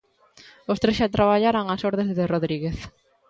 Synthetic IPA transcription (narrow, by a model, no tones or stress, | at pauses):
ost̪ɾesʃat̪ɾaβaʎaɾaŋasoɾðezðeroðɾiɣeθ